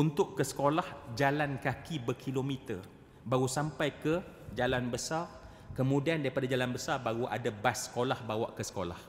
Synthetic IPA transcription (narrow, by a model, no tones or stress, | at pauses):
unt̪ʊʔkːəsə̥kolahd͡ʒalankakʰibərkʰilomit̪ər | baɣusampajkə | d͡ʒalanbəsar | kəmũdiandaɾipadad͡ʒalanbəsarbaɣuʔa̰dabasːə̥kolahbawa̰ʔkəsə̥ko̰la̰h